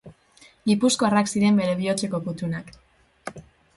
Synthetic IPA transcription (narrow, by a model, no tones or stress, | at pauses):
ɡipusko̞araksiɾe̞mbe̞ɾe̞βio̞t͡se̞ko̞put̪unak